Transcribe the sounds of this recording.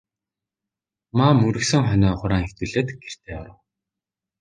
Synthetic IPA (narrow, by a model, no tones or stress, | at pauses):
maːmɵɾɘ̆ksɘ̆ŋχœnɔːχʊɾaːŋext̪uɮeːt̪ɡ̥er̥t̪ʰeːaɾə̆w